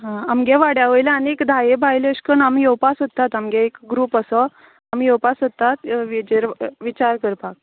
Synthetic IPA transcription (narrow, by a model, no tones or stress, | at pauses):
ɦãamɡeʋaɽjaʋəjlaanekd̪ʱajebʱajləɕkəɳamjewpasət̪ːat̪amɡeekɡɾuːpəsɔ | amjewpasət̪ːat̪ʋid͡ʑeɾʋit͡ɕaɾkəɾpak̚